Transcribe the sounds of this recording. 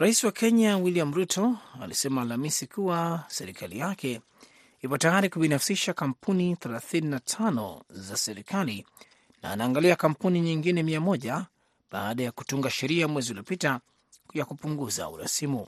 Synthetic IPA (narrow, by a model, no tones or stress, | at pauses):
ɾaisiwakɛɲawiliam̩ɾutʰɔa̰lisɛmaːlamisikʰuwasɛɾikʰalijakɛ | ipɔtajaɾikuɓinafsiʃakam̩pʰuniθɛlaθininatʰanɔ̰zasɛɾikali | na̰ːnaːŋɡaliakam̩puniɲiŋɡinɛmiamɔʄa | ɓaːɗajaku̥tuŋɡaʃɛɾiamwɛziuliɔpita | jakupuŋɡuza̰ṵɾa̰simu